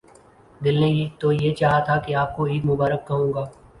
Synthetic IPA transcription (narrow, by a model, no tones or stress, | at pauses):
d̪ɪlnẽiːt̪ojet͡ʃaːɦat̪ʰakeaːp̚koiːd̪mʊbaːɾəkːɐɦũːɡaː